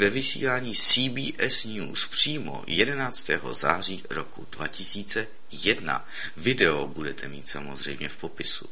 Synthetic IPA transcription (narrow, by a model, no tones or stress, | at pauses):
vɛvɪsḭːlaːɲiːsiːbiːʔɛsnuːspr̝̥iːmo̞̰jɛdɛnaːt͡st̪ɛːɦo̰za̰ːr̝iːɾokṵdva̰cɪsiːt͡sɛ | jɛdna̰ | vɪdɛobudɛt̪ʰɛmiːt̪samo̞zr̝ɛ̰jmɲɛfpo̞pɪsu